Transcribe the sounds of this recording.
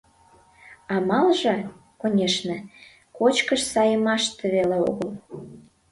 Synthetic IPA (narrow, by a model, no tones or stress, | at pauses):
ɑmɑlʒe | konʲeʃnĕ | kot͡ɕkəʃsɑjəmɑʃt̪ĕβeleo̰ɣəl